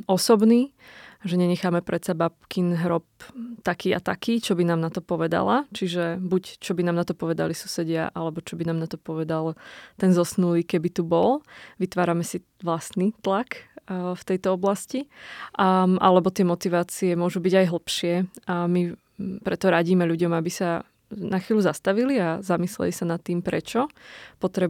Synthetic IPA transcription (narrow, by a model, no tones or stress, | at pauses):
ɔsɔbniːʒɛɲɛɲɛxaːmɛpɾʔɛt̪sabap̚kinɦɾɔp̚t̪akiːa̰t̪akiːt͡ʃɔbinaːmnat̪ɔpɔʋɛd̪a̰la̰t͡ʃiʒɛbuct͡ʃɔbinaːmnat̪ɔpɔʋɛd̪a̰lisusɛɟɪa̰ʔalɛbɔt͡ʃɔbinaːmnat̪ɔpɔʋɛd̪alt̪ɛnzɔsnuliːkɛbit̪ubɔlʋit̪ʋaːɾamɛsi | ʋlast̪nit̪lakft̪ɛjt̪ɔɔblasci | ʔa̰lɛbɔt̪ɪɛmɔt̪iʋaːt͡siɛmʊɔʒubiɟajɦl̩ˠpʃɪɛmi | pɾɛt̪ɔɾaɟiːmɛʎuɟɔmabisa | naxʋiːlʎuzast̪aʋiliazamislɛ̰lisanat̪ːiːmpɾɛt͡ʃɔpɔt̪ɾɛ